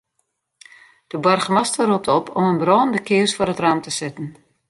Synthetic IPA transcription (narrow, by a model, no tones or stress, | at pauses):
d̥əbɔrχəmastərup̚tɔpʰɔmənbrɔːndəkʰɪəsfʊɾɦətraːmtəsɪtən̩